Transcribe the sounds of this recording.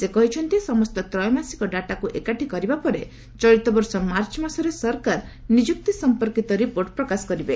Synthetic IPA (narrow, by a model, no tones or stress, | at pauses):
sekɔɦit͡ʃʰɔnt̪isɔmɔst̪ɔt̪ɾɔjɔmasi̥kɔɖaʈakuʔekaʈʰikɔɾibapɔɾe | t͡ʃɔɾit̪ɔbɔɾsɔmaɾt͡ʃɔmasɔɾesɔɾkaɾnid͡ʒuk̚t̪isɔmpɔɾkit̪ɔɾipoɾʈpɾɔkasɔ̥kɔɾibe